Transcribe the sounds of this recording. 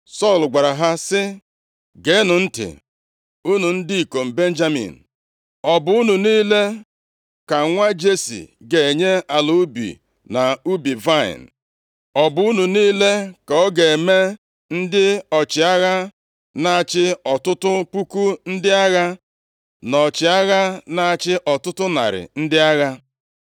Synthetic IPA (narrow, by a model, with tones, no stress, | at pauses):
sɔ˦˨lɡa˨ɾa˨ɦa˦sɪ˦ | ɡe˨˦nʊ˨n̩˦tɪ̰˨ | u˦nu˨n̩˦di˦i˨ko˨m̩˨be˦n̩˦d͡ʒa˦mḭ˨n̩˨ | ɔ˨bʊ˨˦u˦nu˨niː˦le˦ | ka˨ŋʷa˦d͡ʒe˦sḭ˨ɡe˨e˨ɲe˦a˨lu˨u˦bḭ˨ | na˨u˦bi˨va˦˨ɪ̰˨n̩˨ | ɔ˨bʊ˨u˦nu˨niː˦le˦ka˨ɔ˦ɡe˨me˦ | n̩˦dɪ˦ɔ˨t͡ʃɪ˨a˦ɣa˦ | na˨a˨t͡ʃɪ˦ɔ˨tʊ˦tʊ˦pu˦ku˦n̩˦dɪ˦a˦ɣa˦ | nɔ˨t͡ʃɪ˨a˦ɣa˦na˨a˨t͡ʃɪ˦ʔɔ˨tʊ˦tʊ˦na̰˨ɾɪ̰˨n̩˦dɪ˦a˦ɣa˦